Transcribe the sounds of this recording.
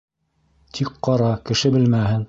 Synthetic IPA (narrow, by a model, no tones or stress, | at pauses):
t̪ʰikqːɑɾɑkɘ̆ʃɘbɘlmæɦɘn